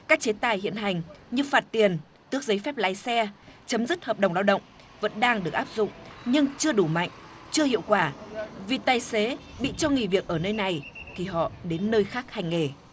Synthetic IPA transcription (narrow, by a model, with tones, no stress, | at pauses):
kaː˦˥k̚t͡ɕe˨˦t̪aː˧˩jhḭ˧˨ənɦa˨˩jŋ̟ɲɨ˧faː˨˩t̚t̪i˨˩ən | t̪ɨ˦˥ək̚zə˨˦jfɛ˦˥p̚la̰ː˨˦jsɛ˧t͡ɕə˨˦mzɨ˦˥t̚həː˨˩p̚ɗə˨˩wŋ͡mɗaː˧wɗə̰˧˨wŋ͡m | və̰˧˥nɗaː˧ŋɗɨ˨˩ək̚ʔaː˦˥p̚zʊ̰˧˨ŋ͡mɲɨ˧ŋt͡ɕɨ˧əɗu˧˩ma̰˧˨jŋ̟ | t͡ɕɨ˧əhḭ˧˨əwkwaː˧˩vi˨˩t̪aː˨˩jse˨˦ɓḭ˧˨t͡ɕɔ˧ŋi˨˩vi˨˩ək̚ʔəː˧˩nəː˧jna˨˩jt̪ʰi˨˩ɦɔ̰˧˨ɗe˨˦nːəː˧jxaː˦˥k̚ha˨˩jŋ̟ːe˧˩